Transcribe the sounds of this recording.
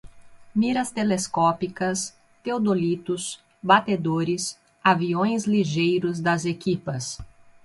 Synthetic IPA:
miɾɐst̪eleskɔpikɐs | t̪eod̪olit̪ʊs | bat̪ed̪oɾɪs | aviõj̃zliʒejɾʊzd̪ɐzekipɐs

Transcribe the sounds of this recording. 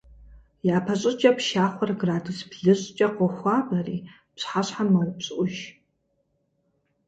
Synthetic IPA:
jaːpʰɐɕʼɨt͡ʃʼɐpʃaːχʷɔrɡraːdɨsbɮɨɕʼt͡ʃʼɐqʷɔxʷɑːbɐriː | pɕħaɕħammɐrpɕʼʔʷʊʒ

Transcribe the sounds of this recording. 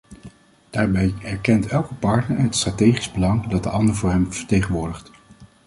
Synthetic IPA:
d̥aːɹbɛjɛɹkɛntɛlˠkəpɑɹtnəɹɦətstratejχizbəlɑŋdɑt̚dəʔɑndəɹvʊːɹɦɛmvəɹtejχənʋʊːɹdəχt

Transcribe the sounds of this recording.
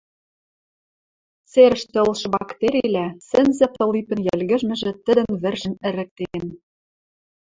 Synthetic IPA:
t͡seɾə̆ʃt̪ĕɤlʃɤ̆bɑkt̪eɾʲilʲæsɘ̆nzɘ̆pɤ̆lipɘ̆njælɣɘ̆ʒmɘ̆ʒɘ̆t̪ɘ̆d̪ə̆nβɘ̆rʒɘ̆nɘ̆ɾɘ̆k̚t̪en

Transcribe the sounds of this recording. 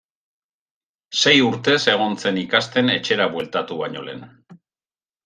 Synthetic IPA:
se̞juɾt̪e̞se̞ɣ̞o̞nt͡se̞nikast̪e̞ne̞t͡ʃe̞ɾaβwe̞lt̪at̪uβaɲo̞le̞̰n

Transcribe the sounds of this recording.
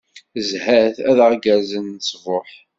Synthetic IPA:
zhæθæðʁɡæzənːt͡sːvoħ

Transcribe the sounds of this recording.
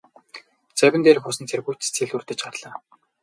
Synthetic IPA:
t͡sæwʲɪ̆nt̪eːrĭxʊsə̆nt͡s̪ʰerpujt̪t͡sʰeɮurt̪ɘ̆t͡ɕɢarɮ̥aː

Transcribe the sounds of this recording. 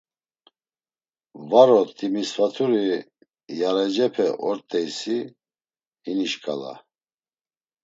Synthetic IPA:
vaɾɔt̪ʼimisvat̪ʰuɾi | jaɾɛd͡ʒɛpʰɛʔɔɾt̪ʼɛjsi | hiniʃkʼala̰

